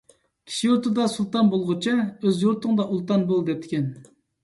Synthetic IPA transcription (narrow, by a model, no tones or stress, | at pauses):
kʲʰi̥ʃijoɾt̪ʰɨd̪ɑsulˠt̪ɑnbolˠʁʊt͡ʃʰɛøzjoɾt̪ʰʊŋd̪ɑʔulˠt̪ɑnbolˠd̪ɛp̚t̪ʰɪ̥kʲʰɛn